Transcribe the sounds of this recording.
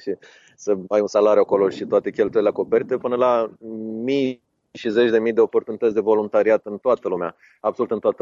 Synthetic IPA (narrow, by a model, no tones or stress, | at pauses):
ʃi | səajunsalaɾjuako̞lo̞ʃit̪oat̪e̞kʲe̞lt̪ujeleako̞pe̞ɾit̪epɨnəla | mij | ʃize̞t͡ʃʲd̪e̞mijd̪eo̞po̞rt̪unit̪ət̪sʲd̪e̞vo̞lunt̪aɾiat̪ɨnt̪oat̪əlumea | absolut̪ɨnt̪oat̪ə